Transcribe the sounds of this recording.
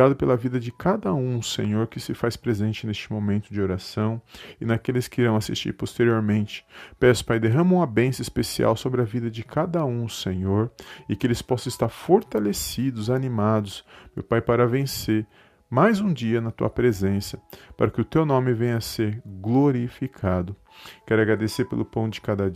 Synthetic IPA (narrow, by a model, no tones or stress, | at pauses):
ad̪ʊpelɐvid̪ɐd͡ʒɪkad̪ɐũsḛ̃ɲoɾkɪsɪfaspɾezẽnt͡ʃɪnest͡ʃɪmõmẽnt̪ʊd͡ʒɪoɾasɐ̃w̃ɪnakelɪskɪiɾɐ̃w̃asist͡ʃḭɾpost̪eɾioɾmẽnt͡ʃɪ̥pɛsʊ̥pajd̪eɦɐ̃mɐ̃ũmɐbẽsɐɪispesia̰wsobɾɪɐvid̪ɐd͡ʒɪkʰad̪ɐũsẽɲoɾɪkɪelɪspɔsɐ̃ɪst̪aɾfoɾt̪alesid̪ʊzanimad̪ʊsmewpajpaɾavẽseɾ | majzũd͡ʒiɐnɐt̪ṵɐpɾezẽsɐpa̰ɾɐkɪʊt̪ewnõmɪvẽj̃ɲɐseɾɡloɾifikʰad̪ʊ | kɛɾʊaɡɾad̪eseɾpelʊpɐ̃w̃d͡ʒɪkad̪ɐd͡ʒ